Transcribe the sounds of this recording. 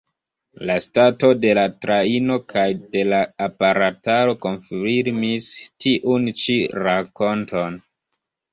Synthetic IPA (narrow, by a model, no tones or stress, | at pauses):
lastato̞de̞latɾaino̞kʰajde̞laːpaɾataɾo̞ko̞nfiɾmistiʔunt͡ʃiɾako̞ntʰo̞n